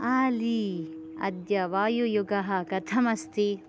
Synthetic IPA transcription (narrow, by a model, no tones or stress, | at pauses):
aːli | ɐ̰d̪jɐʋaːjujuɡɐɦɐkɐt̪ʰɐmɐst̪i